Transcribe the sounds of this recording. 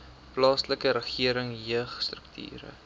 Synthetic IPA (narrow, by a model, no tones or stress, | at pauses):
plɑːsləkəɾəχiəɾəŋɦiəχstrək̚tʰy̰ːɾə̰